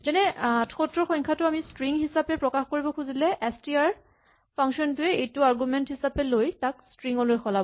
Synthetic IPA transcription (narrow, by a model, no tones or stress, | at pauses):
zɛnɛatʰxotɹɔxɔjɲkʰatʊamistɹiŋɦisapɛpɹɔkaxkoɹibɔkʰuzilɛʔɛstiaɹ | pʰaŋsɔntʊɛejtʊaɹɡumɛnthisapɛlojtakstɹiŋɔlojkʰɔlabɔ